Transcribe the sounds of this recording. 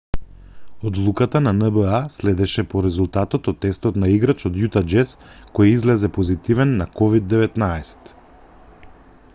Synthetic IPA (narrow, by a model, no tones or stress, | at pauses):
od̪lˠukat̪ananəbəaslɛd̪ɛʃɛpɔɾɛzulˠt̪at̪ɔt̪ɔt̪ːɛst̪ɔt̪naiɡɾat͡ʃod̪jut̪ad͡ʒɛs | kojizlɛzɛpozit̪ivɛnːakɔvid̪ːɛvɛt̪naɛsɛ̥t̪